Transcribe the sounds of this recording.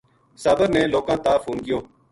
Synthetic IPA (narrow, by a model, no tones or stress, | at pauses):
saːbəɾnẽːloːkãːt̪aːfuːnɡɪjõː